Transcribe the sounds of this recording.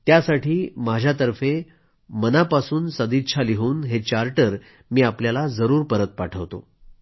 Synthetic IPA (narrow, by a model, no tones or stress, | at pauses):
t̪jasaʈʰiːmad͡ʑʱjat̪̬əɾfe | mənapasuːnsəd̪it̪t͡ɕʰaliɦuːnɦet͡ɕaɾʈəɾ | miːapljalad͡zəɾuːɾpəɾət̪̚paʈʰəʋt̪o̰